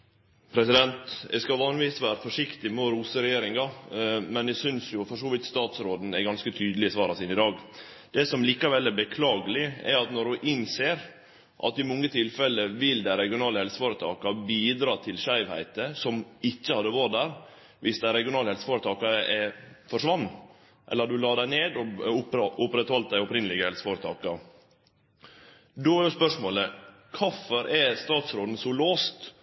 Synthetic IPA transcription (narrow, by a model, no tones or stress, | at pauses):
pʰɾɛsɪd̪ɛnt̪ɛ̰ɪskɑʋɑːnɪʋiːsʋæːɾəfɔʂɪkt̪ɪmɛɾuːsəɾɛjeːɾɪŋɑmɛnɛsʏnsjʊfɔʂuːʋɪt̪st̪ɑːt̪sɾoːd̪n̩ɛɡɑnskət̪ʰyːd̪əlɪəsʋɑːɾɑsiːnɪd̪ɑːɡd̪̥ɛsɔmliːkɑʋɛlːɛɾbəkʰlɑːɡəlɪɛ̰ɾɑt̪nɔɾʉʔɪnseːɾ | ʔɑ̰t̪ːɪmɔŋːət̪ʰɪlfɛlːəʋɪld̪ɛɾɛɡɪʊnɑːləhɛlsə̥foːɾət̪ʰɑ̰ːkɑbiːd̪ɾɑːt̪ʰɪlʃæɪʋhæ̰ɪt̪əsɔmɪçːəhɑd̪əʋɔd̪æɾ | ʋɪsd̪æɪɾɛɡɪʊnɑːləhɛlsə̥foːɾət̪ʰɑːkɑəʔɛfɔʂʋɑnː | ʔɛ̰lːəd̪ʉlɑːd̪æɪneːd̪ɔʊpʔʊpɾɛt̪hɔlt̪̚d̪æɪʊpɾɪnəlɪɡəhɛlsə̥foːɾət̪ʰɑ̰ːkɑɾ | d̪oæjʊspœʂmoːlə | kʰɑfɔɾʔɛst̪ɑːt̪sɾoːd̪n̩sɔloːst̪